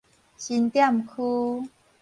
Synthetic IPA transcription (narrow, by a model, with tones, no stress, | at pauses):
ɕi˧nt̪ja˥˨mkʰu˦